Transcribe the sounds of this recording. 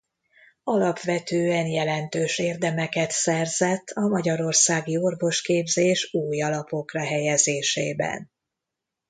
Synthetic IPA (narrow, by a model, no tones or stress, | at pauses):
ɒlɒpʋɛt̪øːɛnjɛlɛnt̪øːʃeːrd̪ɛmɛkɛt̪sɛrzɛt̪ːɒmɒɟɒɾo̞rsaːɡio̞rvo̞ʃkeːbzeːʃuːjɒlɒpo̞krɒɦɛjɛzeːʃḛːbɛ̰n